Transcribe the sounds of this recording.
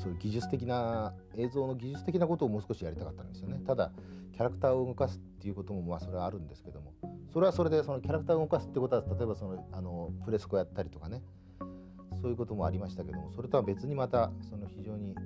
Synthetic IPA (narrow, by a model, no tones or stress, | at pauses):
so̞ːjɯ̟ɡʲiʑɨt͡sɨ̥t̪e̞kʲina | e̞ːzo̞ːno̞ɡʲiʑɨt͡sɨ̥t̪e̞kʲinako̞t̪o̞ːmo̞ːsɨ̥koɕijaɾʲit̪akat̪ːã̰nd̪e̞sɨjonet̪ad̪akʲaɾakɯ̟t̪aːo̞ɯŋokasɨ̥t̪ːe̞iɯ̟ko̞t̪o̞mo̞maso̞ɾe̞βaːɾɯ̟̃nd̪e̞sɨ̥ke̞d̪o̞mo̞so̞ɾe̞βaso̞ɾe̞d̪e̞so̞no̞kʲaɾakɯ̥t̪aːɯ̟ŋokasɨ̥t̪ːeiɯ̟ko̞t̪o̞at̪at̪o̞e̞basonoano̞pɯ̟ɾe̞sɨ̥kojat̪ːaɾʲit̪o̞kane | so̞ːjɯ̟ko̞t̪o̞mo̞a̰ɾʲimaɕi̥t̪ake̞d̪o̞mo̞so̞ɾet̪oβabe̞t͡sɨɲ̟imat̪aso̞noçiʑo̞ːɲ̟i